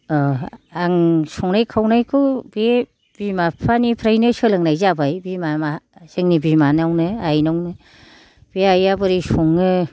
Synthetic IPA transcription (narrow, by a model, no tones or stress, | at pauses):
aŋsɔŋnajkʰawnajkʰɯbe | b̥imapʰanipʰɾajnɯsɯlɯŋnajzabajbimamaz̥ɯŋnibimanawnɯajnawnɯ | b̥eajabɯɾisɔŋːɯ